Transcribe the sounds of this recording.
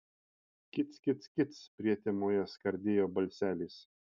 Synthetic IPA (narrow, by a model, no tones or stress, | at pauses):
kʲɪt̪skʲɪt̪skʲɪt̪spʲɾʲiɛt̪ʲemoːjɛskɐɾʲd̪ʲeːjoːbɐlʲsʲæːlʲiːs